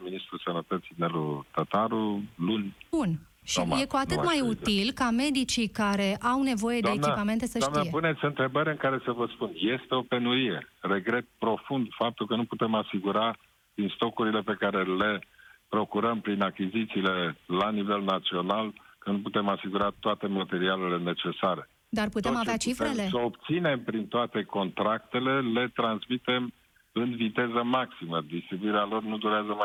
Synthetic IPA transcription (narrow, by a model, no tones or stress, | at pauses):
minist̪ɾusənət̪ət̪sinelut̪at̪aɾulunʲbun | ʃije̞kuat̪ɨt̪majut̪ilkame̞d̪it͡ʃikaɾe̞ʔawne̞vo̞je̞d̪eemnipame̞nt̪e̞səʃniepune̞t̪sʲɨnt̪ɾe̞bəɾʲɨŋkaɾe̞səvəspunje̞st̪e̞ope̞nuɾije̞re̞ɡɾe̞t̪̚pɾo̞fund̪fap̚t̪ulkənuput̪e̞masiɡuɾa | d̪ɾinst̪o̞kuɾile̞pe̞kaɾe̞le̞pɾo̞kuɾəmpɾinakʲizit̪siːle̞lanive̞lnat̪sio̞nalkənuput̪e̞masiɡuɾat̪oat̪e̞mat̪e̞ɾiale̞le̞ne̞t͡ʃe̞saɾe̞ | d̪arput̪emavat͡ʃifɾelesəobt̪sine̞mpɾint̪oat̪e̞ko̞nt̪ɾakt̪e̞le̞le̞t̪ɾansmit̪e̞m | ɨnvit̪e̞zəmaksiməd̪ist̪ɾibuiɾealo̞rnud̪uɾeazəma